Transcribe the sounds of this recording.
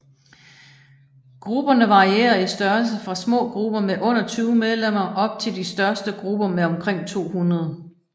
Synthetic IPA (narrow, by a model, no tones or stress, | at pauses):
ɡ̥ʁub̥ɐnəʋɑ̈ʁie̝̰ːɐisd̥ɶɐls̬əfʁɑ̈smɔ̰̽ːɡ̥ʁub̥ɐmeʔɔ̽n̰ɐt͡sʰyːʊmeð̞ˠlem̰ɐʔɒ̽b̥̚t͡sʰe̝ld̥isd̥ɶɐsd̥əɡ̥ʁub̥ɐmeɒ̽mkʰʁeŋ̰t͡sʰo̝̰ːhunʁɐð̞ˠ